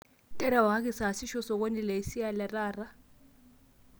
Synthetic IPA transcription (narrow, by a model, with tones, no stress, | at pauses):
tʼɛ˦ɾa˨wa˨ɦa˦k̬ʼisa˨ɦa˨si˦ʃɔsɔ˨k̬ʼo˦ni˨lɛ˨i˨si˦a˨lɛ˨raːra˦